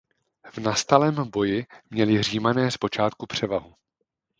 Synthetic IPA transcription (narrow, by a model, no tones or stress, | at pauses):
vnast̪alɛːmbo̞jɪmɲɛlɪriːmanɛːspo̞t͡ʃaːt̪kupr̝̥ɛvaɦu